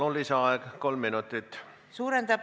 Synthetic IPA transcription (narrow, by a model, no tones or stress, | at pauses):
uliseɑeɡ̥ko̞lmːinut̪ːˑit̪ːˑ | suːɾend̪ɑ